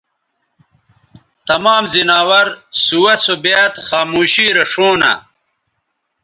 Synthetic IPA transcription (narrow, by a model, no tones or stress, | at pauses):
t̪ɐmaːmzinaːwɐɾsuwɐsobet̪xaːmuːɕiːɾɐʂoːna̰